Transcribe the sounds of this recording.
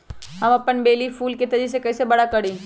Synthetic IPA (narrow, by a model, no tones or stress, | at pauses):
ɦɐmɐpənbeːlifʰuːlket̪ɐd͡ʒis̬ekɐːsebɐɽakɐɽĩː